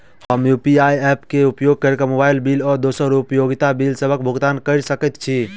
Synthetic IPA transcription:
həmjupiajɛpkeupjoɡ̚kəɾekamobajilbilɔɾd̪osəɾupjoɡit̪abilsəbʱəkbʱuɡt̪ankəɪɾsəkɛt̪t͡ʃʰi

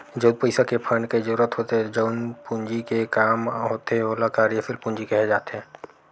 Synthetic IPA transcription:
d͡ʒəːd̪̚pəɪsakepʰəɳɖked͡ʒəɾuːɾət̪ɦoːt̪eɦɛd͡ʒəʊnpʊ̃nd͡ʒikekaːmɦoːt̪eɛoːlakaːɾijəfʰɪlpʊ̃ɲd͡ʒikɛɦed͡ʒaːt̪eɦɛ̃ː

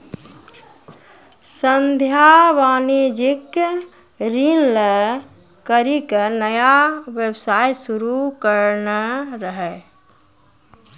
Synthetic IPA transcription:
sənd̪ʱjaʋaːnid͡ʒɪk | ɾinle | kəɾikənəjaʋjəbsajsuɾukəɾnəɾəɦɛ

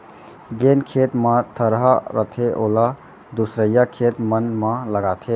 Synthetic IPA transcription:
d͡ʒenkʰet̪mãt̪ʰəɾɦaɾət̪ʰeʔoːla | d̪usɾəjakʰet̪mənmãləɡat̪ʰe

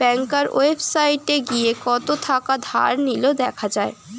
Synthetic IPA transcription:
b̥ɛŋkaɾo̰efʰsajʈeɡiekɔt̪ot̪ʰakad̪ʱa̰ɾnilod̪ɛkʰad͡ʑae

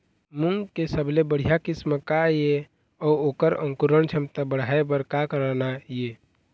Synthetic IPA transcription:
muŋɡkesəblebəɽ̤ijakɪsməkaje | ɔːoːkəɾə̰̃ŋkuɾəɳt͡ʃʰəmt̪abəɽ̤ʱaebəɾkakəɾanaje

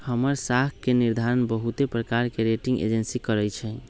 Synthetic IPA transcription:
həməɾsakkeniɾd̪ʱaɾənbəɦut̪epɾəkaɾkeɾeʈĩŋɡḛd͡ʒensikəɾɛjt͡ʃʰɛ

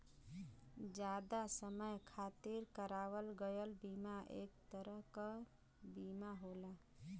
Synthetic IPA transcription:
d͡ʒad̪asəməjkʰat̪iɾkəɾaʋəlɡəjəlbimaʔḛk̚t̪əɾəɦkə | bimaɦola

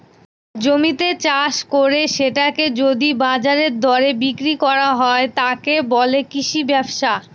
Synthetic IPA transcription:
d͡ʑomit̪et͡ɕaʃkoɾeʃeʈaked͡ʑod̪ibad͡ʑaɾeɾd̪ʱɔɾebikɾikɔɾaɦɔet̪akebɔlekiʃibɛbʃa

